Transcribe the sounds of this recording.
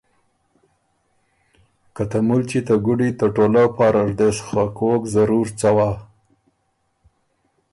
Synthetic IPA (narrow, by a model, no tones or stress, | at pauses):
kat̪amult͡ʃit̪əɡuɖit̪əʈolapɑɾaɾd̪eʃxakokzaɾuɾt͡sawa